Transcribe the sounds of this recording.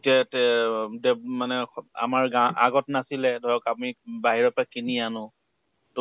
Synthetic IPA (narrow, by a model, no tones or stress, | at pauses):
tɛtɛdɛmanɛa̰maɹɡaʔa̰ɡɔtnasilɛdʱɔjɔkapnibaɦiɹɔpakinianʊ̃ | t